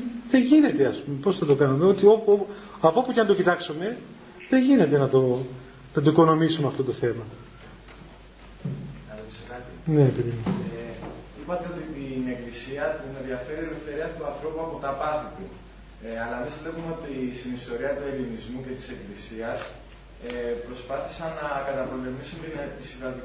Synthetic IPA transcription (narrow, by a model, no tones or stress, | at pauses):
ðeʝine̞t̪e̞ɐspume̞po̞sθɐt̪o̞kɐnume̞o̞t̪ioo | ɐpopucenɐt̪o̞cit̪ɐksume̞ | ðeʝine̞t̪e̞nɐt̪o̞ | nɐt̪o̞iko̞no̞misumeɐft̪ot̪o̞θe̞mɐ | ɐlopisekɐt̪ine̞ːpiðimo | ipɐt̪e̞o̞t̪it̪ine̞klisiɐp̪ume̞ðiɐfe̞ɾieɾefθe̞ɾiɐt̪uɐnθɾo̞puɐpo̞t̪ɐpɐt̪it̪u | ɐlɐemizvle̞pume̞o̞t̪isinist̪o̞ɾiɐt̪ue̞linizmuce̞t̪i̥se̞klisiɐs | epɾo̞spɐθi̥sɐnːɐkɐt̪ɐpo̞le̞misumt̪i̥sivɐd̪i